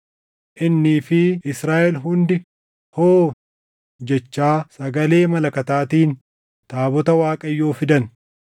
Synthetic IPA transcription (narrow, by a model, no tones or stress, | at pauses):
ʔɪnːiːfɪɪsɾaːʔɛlɦʊnd̪ɪ | hoː | d͡ʒɛt͡ʃːaːsɐɡɐle̞ːmɐlɐkɐt̪aːt̪iːn | t̪aːbɔt̪ɐwaːkʼɐjːo̞ːfɪd̪ɐn